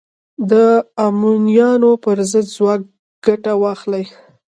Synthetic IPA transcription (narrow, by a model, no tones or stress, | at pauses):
d̪əamunijɑnopəɾzəd̪zwɑk̚ | ɡ̥aʈawɑxlaj